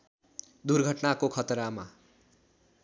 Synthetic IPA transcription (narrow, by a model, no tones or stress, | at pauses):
d̪urɡʱʌʈnakokʰʌt̪ʌɾama